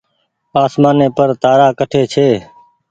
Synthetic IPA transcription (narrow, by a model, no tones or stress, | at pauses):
aːsmaːneːpəɾt̪aːɾaːkəʈʰeːt͡ʃʰeː